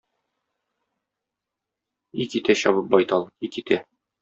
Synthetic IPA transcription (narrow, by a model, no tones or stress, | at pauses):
ikit̪æɕɒβɤp̚bɒjt̪ɑlˠikit̪æ